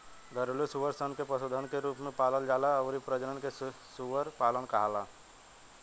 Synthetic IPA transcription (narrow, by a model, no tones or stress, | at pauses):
d̪əɾlisuʋəɾsənkepəsod̪ʱənkeɾuːpmẽpaːləld͡ʒaːlaɔːɾipɾəd͡ʒənənke | suʋəɾpaːlənkəɦalaː